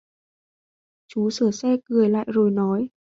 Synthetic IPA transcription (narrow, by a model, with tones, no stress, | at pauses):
t͡ɕu˨˦səː˧˩sɛ˧kɨ˨˩əjla̰ː˧˨jzo˨˩jnɔ˨˦j